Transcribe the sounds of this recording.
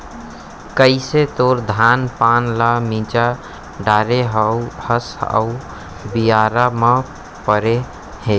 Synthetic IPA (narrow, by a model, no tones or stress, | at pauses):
kəɪset̪oɾd̪ʱanpanlamĩt͡ʃa | ɖaɾeɦəuhəsa̰u | bijaɾame | pəɾe | he